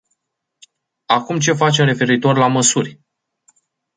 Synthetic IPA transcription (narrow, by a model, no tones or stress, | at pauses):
akumt͡ʃe̞fat͡ʃe̞mre̞fe̞ɾit̪o̞rʲlaməsurʲ